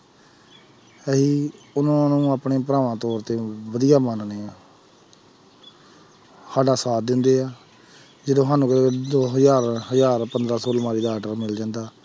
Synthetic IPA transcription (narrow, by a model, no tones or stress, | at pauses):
ɛɦiːʊnãːnũːaːpɳeːpəɾaːʋãːt̪ɔːɾt̪eːʋəd̪ijaːmanneːaː | saːɖaːsaːd̪ɪnd̪eːaː | d͡ʒeːd̪õːɦaːnũːkəɾeːd̪oːɦəzaːɾɦəzaːɾpənd̪ɾaːsoːlmãːɾiːd̪aːʈəɾmɪld͡ʒãːnd̪aː